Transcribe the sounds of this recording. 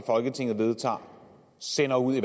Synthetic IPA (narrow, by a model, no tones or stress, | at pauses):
fɒ̽lɡ̥ət͡sʰe̝ŋ̰ð̩ˠʋe̝ð̞ˠt͡sʰɑ̰̈ː | senɐuð̰ˠiʋ